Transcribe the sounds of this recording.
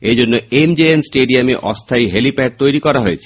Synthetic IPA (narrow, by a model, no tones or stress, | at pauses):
ed͡ʑonːoemd͡ʑeensʈeɖiameʔɔst̪ʰajɦelipɛɖ̚t̪ojɾikɔɾaɦojet͡ɕʰi̥